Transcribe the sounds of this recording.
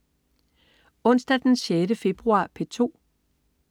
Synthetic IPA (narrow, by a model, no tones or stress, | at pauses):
ɔ̽n̰sd̥æd̥enɕeɾəfe̝b̥ʁuɑ̈pʰe̝t͡sʰo̝̰ː